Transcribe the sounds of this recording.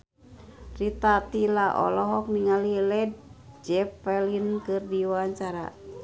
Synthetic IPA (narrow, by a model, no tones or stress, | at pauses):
rit̪at̪ilaʔɔ̰lɔɦɔk̚niŋalilɛd̚d͡ʒɛpːɛlinkɨrdiwaaɲt͡ʃaɾa̰